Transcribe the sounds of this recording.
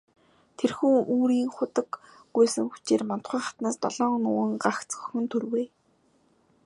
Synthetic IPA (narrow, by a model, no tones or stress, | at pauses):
t̪ʰerxuːuːɾiːŋχʊt̪ə̆kː | ujsɘ̆ŋxut͡ɕeːrman̥t̪χʊːχḁt̪naːst̪ɔɮɔːnʊwə̆ŋɢaxt͡sɵ̥xɵ̆nt̪ʰɵrweː